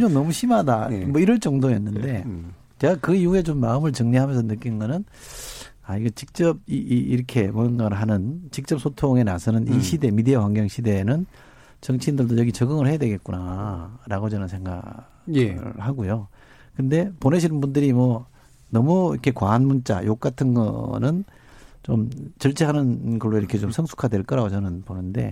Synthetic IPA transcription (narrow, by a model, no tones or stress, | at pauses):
d͡ʑoŋnʌmuɕʰimadamʌiɾʌɭt͡ɕ͈ʌŋdojenːɯnde̞ | t͡ɕeɡakɯihue̞t͡ɕomːaɯmɯɭt͡ɕɯŋɲiɦamjʌnsʰʌnɯk͈inɯnɡʌnɯn | aiɡʌt͡ɕik̚t͡ɕ͈ʌb̚iːɾʌkʰe̞mʌnɡaɾɯɭɦanɯnt͡ɕik̚t͡ɕ͈ʌp̚s͈ʰotʰoŋe̞nasʰʌnɯniɕʰide̞midewaŋɡjʌŋɕʰide̞nɯn | t͡ɕʌŋt͡ɕʰiːndɯɭdojʌɡit͡ɕʌɡɯŋɯɭhe̞jadwe̞ɡe̞t̚k͈unaɾaɡot͡ɕʌnɯnsʰe̞ŋɡa̰ | jhaɡojo | kɯnde̞poneɕʰinɯnbundɯɾimwʌ | nʌmuiɾkʰe̞kwaːnmunt͡ɕ͈a̰jok̚k͈atʰɯnɡʌ̰nɯn | t͡ɕomt͡ɕʌɭt͡ɕ͈ʰeɦanɯnɡʌɭːoiɾʌkʰe̞t͡ɕomsʰʌŋsʰu̥kʰadwe̞ɭk͈ʌɾaɡot͡ɕʌnɯnponɯnde̞̰